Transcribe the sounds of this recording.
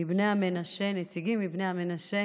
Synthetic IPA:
ibnejame̞naʃe̞net͡siɡimːibnejhame̞naʃe

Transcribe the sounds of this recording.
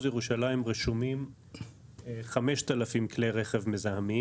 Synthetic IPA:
zjeʁuʃalaimʁeʃumim | χame̞ʃt̪alafimkleʁe̞χevmezahami

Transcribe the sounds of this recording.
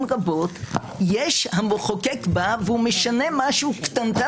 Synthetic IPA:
ʁabo̞t̪ | jeʃhamoχokekbaveumeʃanemaʃukt̪ant̪a

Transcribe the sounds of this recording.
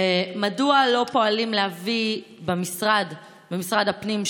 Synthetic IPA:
emadualo̞po̞alimlehavibemisʁad | bemisʁadhapnim

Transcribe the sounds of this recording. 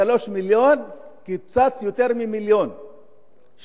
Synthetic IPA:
aloʃmiljon | kit͡sat͡sjut̪eɾmimiljon | ʃ

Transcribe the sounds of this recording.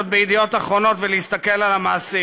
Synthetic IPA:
t̪̚beid̪ijo̞t̪aχʁo̞no̞t̪velehist̪ake̞lalamaːsi

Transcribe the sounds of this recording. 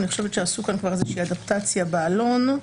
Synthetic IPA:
niχoʃevet̪ʃeasukankvaʁezeʃiiadapt̪at͡sjabealo̞n

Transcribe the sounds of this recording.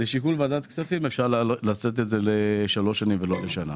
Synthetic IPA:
zeʃikulvead̪at̪ksafimefʃaʁllaset̪̬etzeleʃalo̞ʃanimveloleʃana̰

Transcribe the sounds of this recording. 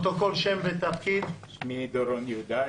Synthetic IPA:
t̪okolʃemvet̪afkid̪ʃmid̪oɾonjud̪a

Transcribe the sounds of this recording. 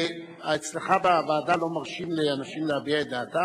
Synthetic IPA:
aat͡slaχababaːd̪alo̞maʁʃimleanaʃimleabiaetd̪aːt̪a

